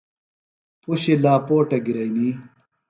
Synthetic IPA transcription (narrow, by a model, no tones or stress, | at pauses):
puɕilaːpoːʈɐɡiɾɐjni